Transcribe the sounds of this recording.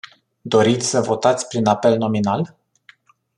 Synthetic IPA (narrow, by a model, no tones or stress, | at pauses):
d̪o̞ɾit̪sʲsəvo̞t̪at̪sʲpɾinape̞lno̞minal